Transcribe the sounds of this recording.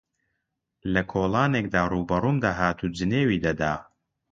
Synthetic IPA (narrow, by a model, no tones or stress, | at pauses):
lɐkʰoːlˠaːneːk̚d̪aːruːbɐruːmd̪aːɦaːt̪ʰuːd͡ʒɨneːwiːd̪ɐd̪aː